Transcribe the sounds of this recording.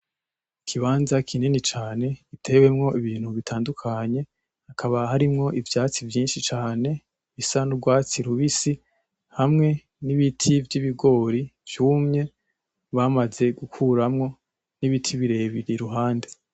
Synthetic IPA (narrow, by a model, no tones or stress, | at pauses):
kʰiβaːnzakʰininit͡ʃaːne̞itʰe̞we̞mŋo̞ʔiβiːn̥huβitʰaːndukʰaɲe̞ | hakʰaβahaɾimŋo̞ʔivjaːt͡sivjiːnʃit͡ʃaːne̞ | βisanubɡwaːt͡siɾuβisi | hamŋe̞ | niβitʰivjiβiɡo̞ːɾivjuːmɲe̞ | βamaze̞ɡukʰuɾamŋo̞ | niβitʰiβiɾe̞ːβiɾiɾuɦaːnde̞